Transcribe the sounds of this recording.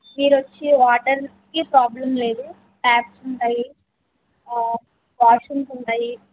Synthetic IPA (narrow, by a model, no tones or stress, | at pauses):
miːɾot͡ʃːiʋaːʈɐɾ | kipɾaːblɐmle̞ːd̪u | ʈaːpsuɳʈaːji | ʋaːʂuŋsuɳɖaːji